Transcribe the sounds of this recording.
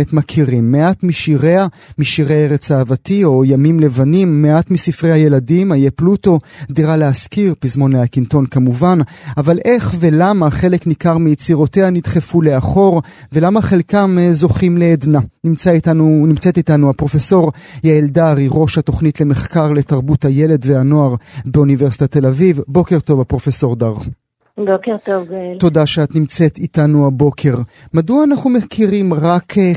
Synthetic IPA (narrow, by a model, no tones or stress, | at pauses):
etmakʰiʁimːeʔatmiʃiʁeamiʃiʁeeʁet͡saːvatio̞jamimle̞vanimːeatmisifʁe̞jhaje̞ladimajepluto̞d̪iʁaleaskiʁpizmo̞neakinto̞nkamuvanavalʔe̞χve̞lamaχe̞le̞knikaʁmijet͡siʁoteanidχe̞fule̞aχo̞ʁve̞lamaχe̞lkamzo̞χimle̞ːdnanimt͡saitaunimt͡setitanuapʁo̞feso̞ʁjaeldaʁiʁo̞ʃhato̞χnitle̞me̞χkaʁle̞taʁbuthaje̞le̞dveano̞aʁbeuniveʁsi̥tat̪e̞lavivbo̞ke̞ʁto̞vapʁo̞feso̞ʁdaʁ | bokeʁt̪ovɡlto̞daʃeat̪nimt͡se̞t̪itanuabo̞kʰe̞ʁ | maduaːnaχnumekʰiʁimʁak